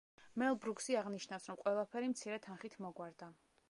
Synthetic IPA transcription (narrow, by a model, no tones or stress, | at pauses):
mɛlˠbɾuksiaʁniʃnafsɾɔmqʼwɛlˠapʰɛɾimt̪sʰiɾɛt̪ʰanχit̪ʰmɔɡwaɾd̪a